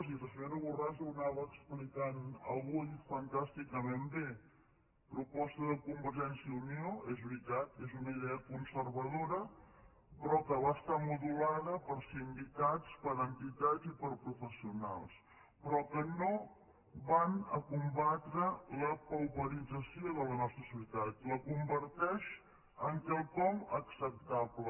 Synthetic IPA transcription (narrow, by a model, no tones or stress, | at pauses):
sirəseɾəβurazunaβəːksplikanə̰βujfənt̪ast̪ikəmembe | pɾupɔst̪əðəkumbəɾʒɛnsjəunjoɛzβɾit̪at̪̚kezunəiðɛəkunsəɾβəð̞oɾə | pɾɔkəβaəst̪amuðulaðəpəɾseinbit̪at͡spəɾənt̪it̪ad͡zipəɾpɾufəsiuna̰lˠs | pɾɔkəno | βanəkumbat̪ɾələpəlβəɾid͡zəsioðələnɔst̪ɾəsiut̪at̪ləkumbəɾt̪ɛʃ | əŋkɛlˠkɔməksəp̚t̪aβlə